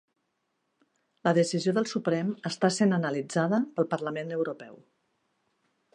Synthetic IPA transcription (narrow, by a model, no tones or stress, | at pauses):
ləðəsizioðəlˠsupɾɛməst̪asenənəlid͡zaðəpəlˠpəɾləmenəwɾupɛ̰w